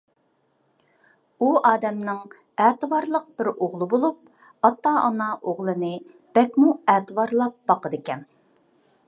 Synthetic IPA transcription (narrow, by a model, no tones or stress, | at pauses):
uɑːd̪ɛmnɪŋ | æːt̪ɨwɑɾlˠəq̚b̥ɪɾoʁlˠɨbolˠup̚ | ɑt̪ːɑʔɑ̰nɑʔoʁlˠɨnɨ | b̥ɛkʲmuɛːt̪ɨwɑɾlˠɑp̚bɑqəd̪ɪkʲɛn